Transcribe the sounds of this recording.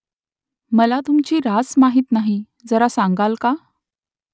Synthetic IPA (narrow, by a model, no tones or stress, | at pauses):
məlat̪umt͡ɕiːɾasmaɦiːt̪naɦi | d͡zəɾasaŋɡalka